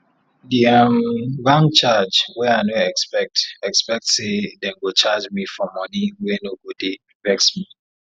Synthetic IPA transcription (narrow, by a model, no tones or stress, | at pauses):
diamɡãŋt͡ʃad͡ʒwɛaɪnoɛkspɛk̚tɛkspɛk̚tsedɛ̃nwɪt͡ʃad͡ʒmifɔmɔniwɛnoɡode | vɛksmi